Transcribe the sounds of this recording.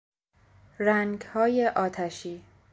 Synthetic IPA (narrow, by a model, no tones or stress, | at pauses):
ræŋɡhɒːjeʔɒːt̪ʰæʃiː